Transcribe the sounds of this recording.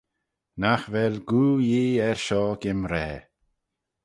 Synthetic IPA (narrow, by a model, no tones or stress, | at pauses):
naxvɛlɡuːjiːɛɹʃɔːɡɪmɾɛː